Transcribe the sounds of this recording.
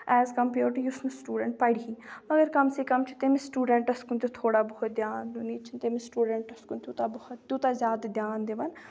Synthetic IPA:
ɛːzkɐmpoːɾʈjusnusʈuːɖəɳʈ̚paɽiɦĩːmɐɡəɾkɐmseːkɐmt͡ʃʰi̥t̪emẽsʈuːɖəɳʈɐskʊnt̪et̪ʰoːɽaːbəɦʊt̪̚d̪jaːnd̪uniːt͡ʃʰɪnt̪emẽsʈuːɖəɳʈɐskʊnt̪ut̪aːbəhʊt̪t̪uːt̪aːzʲjaːd̪d̪jaːnd̪eːʋɐn

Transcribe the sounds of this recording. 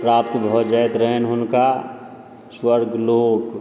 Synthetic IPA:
pɾaːp̚t̪əbʱɔd͡ʒəjt̪ɾəɦenɦʊnka | swəɾɡʱloːk

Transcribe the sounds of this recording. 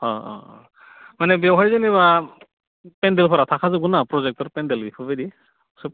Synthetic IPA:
ɔ̃ɔ̰ | manɛbɛwɦaɹzanɛba | pɛndɛlpʰɔɾatʰakʰazɔɡunapɹɔzɛk̚tɔɹpɛndɛlipʰɔbadi | sɔp̚

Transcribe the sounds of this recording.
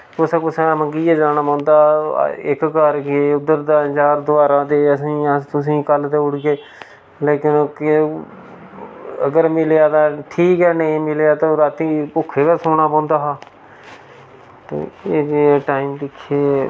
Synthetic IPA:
kʊsãːpʊsãmə̃ŋɡiːaːd͡ʒaːɽ̃aːpɔ̃ːnd̪a̰ːɪkkəɾkeʊd̪əɾd̪aːd͡ʒaːɾd̪ʊʋaːɾãːd̪eːəs̬ĩːət̪ʊs̬ĩːkəlt̪eːʊɽɡeː | leːkɪnk | əɡəɾmɪlejaːt̪aːʈʰiːkɦɛːnə̃ĩmɪljaːt̪aːɾaːt̪iːpʊkʰːeːd̪aːsoːɽaːpõːnd̪aːɦaː | t̪ḛeːd͡ʒeːʈaːiːmd̪ɪkʰːeː

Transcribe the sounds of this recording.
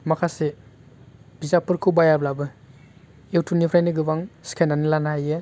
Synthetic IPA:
makʰase | b̥izapɯɾkʰɯwbajablabɯ | ewtʰunipʰɾajniɡɯbaŋsi̥kʰajnanilanaaje

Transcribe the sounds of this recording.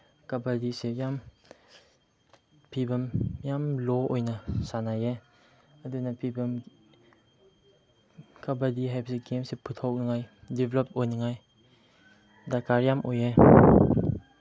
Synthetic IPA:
kɐbɐdisejam | pʰibɐmjamlɔojnɐsanaje | ɐdunapʰibɐm | kɐbadiɦajpʰɐseɡemsepʰɯtʰɔwnɯŋajdiblɔp̚ojnɯŋaj | dakaɾjamʔoje

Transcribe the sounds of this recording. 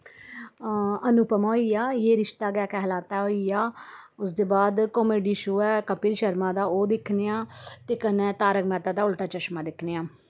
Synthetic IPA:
ənʊpəmoːiːaːjeːɾɪʃt̪aːɡjaːkɛɦlaːt̪aːɦoːiːaːʊsd̪eːbaːd̪koːmeːɖiːʃoːɛːkəpiːlʃəɾmãːd̪aːoːd̪ɪkʰnejãːt̪eːkənɛ̃ːt̪aːɾəkmɛːt̪ãːd̪aːʊlʈaːt͡ʃəʃmãːd̪ɪkʰneːãː

